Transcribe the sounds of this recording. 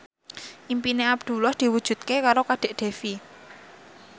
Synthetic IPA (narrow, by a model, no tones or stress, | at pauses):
ʔimpineab̚d̪̥ṳlɔhd̪̥i̤wud̥ʒ̥ṳt̪̚kekaɾokaɖ̥e̤ʔɖ̥e̤fi